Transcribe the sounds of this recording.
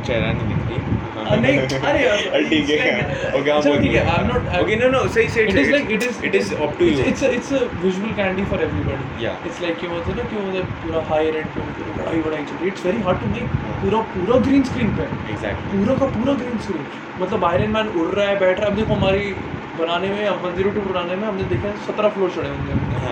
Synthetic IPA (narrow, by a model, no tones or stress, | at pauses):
t͡ʃɐɾã̰nd̪mɪt̪ɡẽ | neaɾeɐɐlʈikeokeãt͡ʃt̪ʰikeaɪʋnɔːʈaokenonoseiseɪʈɪzlaɪkɪʈɪzɪʈɪzɔpʈuɪʈsəɪʈsəʋɪʒuʋəlkæ̃nɖifɔɾeʋɾibɔɽija̰ɪʈslaɪkjũmɐt̪enɐkĩd̪epuːɾaɦaːjəɾẽɳɖpẽt̪ːɾa̰iʋəɽait͡ʃəʈiɪʈsʋɛɾiɦaːɾɖ̚ʈumeːkːpuːɾapuːɾaɡɾĩːnskɾĩːnpeeɡzæ̰k̚lpiuːɾakapuːɾaɡɾiːnskɾĩːn | mɐt̪ləbaːɪɾẽɳmɛ̃ːnʊɽɾaɛbɛːʈʰɾaɐb̚d̪eːkʰoɦɐmaːɾi | bɐnaːnemẽɐmɐ̃nd̪iɾoʈipuɾaːnemẽɦɐmned̪eːkʰasɐt̪ɾafloːt͡ʃɐɽeɦʊ̃nd̪eʊ̃ne